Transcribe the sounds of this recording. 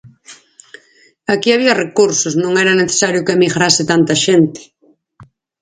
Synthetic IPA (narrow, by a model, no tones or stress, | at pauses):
akiaβ̞iɐrekuɾsosnõŋɛɾɐneθe̥saɾjʊkeamiɣɾasɪt̪ant̪ɐʃent̪ɪ̥